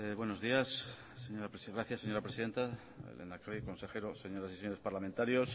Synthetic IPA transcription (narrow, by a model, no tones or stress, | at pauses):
βweno̞zðiasː | eɲoɾapɾesiɣɾaθjasːeɲo̞ɾapɾesiðe̞nt̪a | ḛlʔḛnakɾikõ̞nse̞e̞ɾoseɲo̞ɾasiseɲo̞ɾe̞spaɾlamẽnt̪aɾjos